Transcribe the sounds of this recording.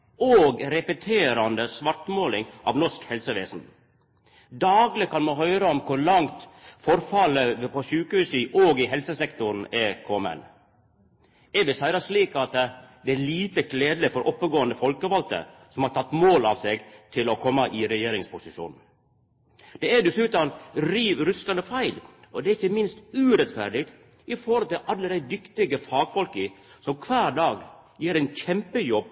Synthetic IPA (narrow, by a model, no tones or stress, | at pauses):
oːɡɾɛpət̪ʰeːɾɑnd̪əsʋɑɾʈmoːlɪŋʔɑ̰ʋnɔʂkhɛlsəʋeːsn̩ | d̪ɑːɡlɪkʰɑnmɑɦœʏɾəɔmkʰʊɾɭɑŋt̪fɔɾfɑləpʰɔɕʉːkəhʉːsɪʔoːɡɪɦɛlsəsɛkt̪ʊɾn̩ɛkʰɔmə̰n | ɛbɪsæɪɾɑsliːkɑt̪d̪ɛæɭiːt̪əkʰleːd̪lɪfɔɾʔɔpːəɡoːənd̪əfɔlkəʋɑlt̪ə̰sɔmhɑʈʰɑt̪ːmoːlɑʋsɛɡt̪ʰɪlɔkʰɔmːɑʔɪɾɛjeːɾɪŋspʰʊsɪʂṵːnn̩ | d̪̥ɛæd̪ɛsʉːt̪ɑnɾiːʋɾʉsk̪ɑnd̪əfæɪlɔd̪ɛæɾɪçːəmɪnst̪ʉːɾɛt̪fæɾɖɪɡ̚t̪ | ɪfɔhɔlt̪ɪlʔɑlːəd̪æɪd̪ʏkt̪ɪɡəfɑːɡfɔlkəsɔmkʰʋæːɾɖɑːɡjeːɾæɪnçɛmpəjɔb̚